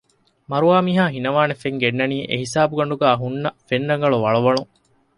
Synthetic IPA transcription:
mɐɾuaːmiːɦaːɦinɐʋaːnefeŋɡenːɐniːʔḛɦisaːbuɡɐɳɖuɡæːɦunːɐfenɾɐŋɡɐɭuʋɐɭɐʋɐɭuŋ

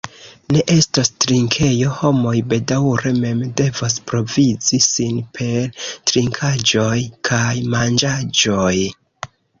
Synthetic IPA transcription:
ne̞ʔe̞stastɾiŋkʰe̞jo̞ho̞mo̞jbe̞dawɾe̞me̞mde̞vas̬pɾo̞vizisinpʰe̞ɾtɾiŋkʰad͡ʒo̞jkʰajmand͡ʒad͡ʒo̞j

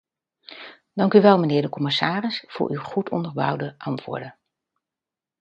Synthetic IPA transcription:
d̥ɑŋkyʋɛlˠmənɪːɹdəkɔmɪsaːrɪsfʊ̰ːɹʔywχutʰɔ̰ndəɹbʌ̰wdəʔɑntʋʊ̰ːɹdən

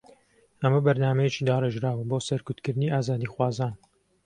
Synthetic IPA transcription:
hɐmɐbɐɾnaːmɛjet͡ʃiːd̪aːreʒɾaːwɨboːsɐɾkut̪kɨɾɨniːʔaːzaːd̪iːxwɑːzaːn

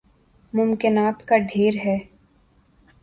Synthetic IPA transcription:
mʊmkɪnaːt̪kaɖʱeːɾɦɛː

